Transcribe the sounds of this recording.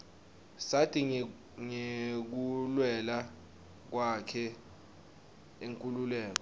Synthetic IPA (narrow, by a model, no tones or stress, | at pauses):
satʰʼi | ŋek̬ulwɛla | k̬wakʰɛ | eŋkʼululɛːk̬ɔ